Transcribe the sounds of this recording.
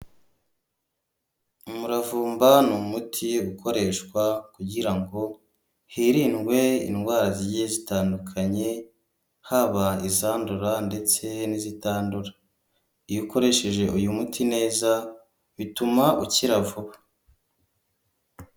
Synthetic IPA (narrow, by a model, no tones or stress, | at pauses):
umuɾavuːmbanumutʰiukʰo̞ɾe̞ːʃkwakuɟiɾaŋɡo̞ | hiɾinɡwe̞ḭnɡwaːɾazijezitaːndukʰaɲe̞ | haβaizaːnduɾande̞t͡se̞nizitaːnduɾa | ijuko̞ɾe̞ʃe̞ʒe̞ʔujumutʰine̞ːza | βitumaʔuciɾavuβa